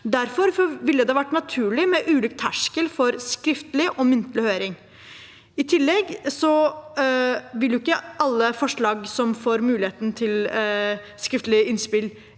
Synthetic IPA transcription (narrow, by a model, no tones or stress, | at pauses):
d̪æɾfɔɾʋɪlːəd̪ɛhɑʋæʈːnɑt̪ʰʉːɭɪmɛʔʉːlyːkt̪ʰæʂkəlfɔɾskɾɪft̪əlɪʔɔmʏnt̪əlɪhøːɾɪŋ | ɪt̪ʰɪlːɛɡsɔ | ʋɪldjʊɪkːəʔɑlːəfɔʂɭɑːɡsɔmfoːɾmʉːlɪheːt̪ənt̪ʰɪl | skɾɪft̪əlɪɪnspɪl